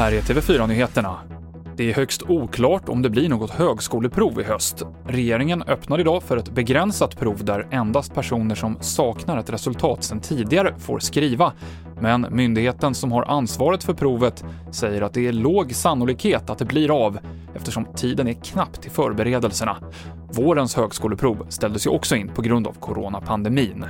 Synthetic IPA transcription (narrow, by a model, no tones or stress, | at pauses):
hæːɾæʈʰeːvɛfyːɾanyːheːt̪əɳa | d̪̥ɛæɾhœkst̪ʰuːkʰlɑːʈɔ̰md̪ɛblɪɳoːɡɔt̪høːɡskuːləpʰɾuːvɪ̰hœst̪ | ɾɛjeːɾɪŋənœpnaɾɪd̪ɑːfœɾɛt̪bɛɡɾɛnsat̪pʰɾuːvd̪æɾɛnd̪ast̪̚pʰæʂuːnəʂɔmsɑːknaɾat̪ɾɛsɵlt̪ʰɑ̰ːt̪sɛnt̪ʰiːd̪ɪɡaɾəfo̰ːɾskɾiːva | mɛnmʏnd̪ɪheːt̪ənsɔmɦaɾʔa̰nsvɑːɾət̪fœɾpʰɾuːvət̪ | sɛjːəɾat̪̚d̪ɛæɭoːɡsanːʊliːkheːt̪at̪̚d̪ɛbliːɾav | ɛft̪əʂɔmt̪ʰiːd̪ənɛkʰnapːt̪ʰːɪlfœːɾbɛɾeːd̪əlsəɳa̰ | voːɾənshøːɡskuːləpʰɾuːvst̪ɛld̪əsjɵʔɔksɔɪnːpʰɔɡɾɵnd̪a̰vkʰʊɾoːnapʰand̪ɛmiːn